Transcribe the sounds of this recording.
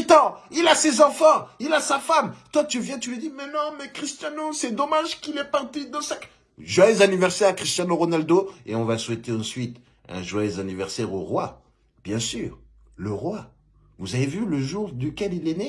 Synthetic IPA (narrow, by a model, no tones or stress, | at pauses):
t̪ɑ̃ilasezɑ̃fɑ̃ilasafamt̪wat̪yvjɛ̃t̪ylid̪imɛnɔ̃mɛkχist̪jãnosɛd̪ɔmaʒkilɛpaʁt̪id̪ɑ̃sak | ʒwajøzanivɛʁsɛʁakχist̪jɑ̃noʁɔnald̪oḛɔ̃vaswɛt̪eɑ̃sɥit̪ | ɛ̰̃ʒwajøzanivɛʁsɛʁoʁwa | b̥jɛ̃syːʁ | ləʁwa | vuzavevyləʒuʁd̪ykʲɛlilene